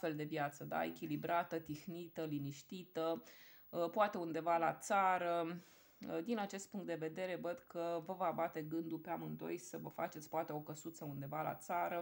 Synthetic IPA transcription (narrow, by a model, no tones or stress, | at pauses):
fe̞ld̪e̞vjat̪səd̪a̰ekʲilibɾat̪ət̪ixnit̪əliniʃt̪it̪ə | poat̪e̞und̪e̞vala̰t̪saɾə | d̪inat͡ʃe̞st̪̚puŋkt̪d̪eve̞d̪e̞ɾe̞vəd̪kəvəvəabat̪e̞ɡɨnd̪upeamɨnd̪o̞jsəvəfa̰t͡ʃe̞t̪sʲpoat̪eo̞kəsut̪səund̪e̞vala̰t̪saɾə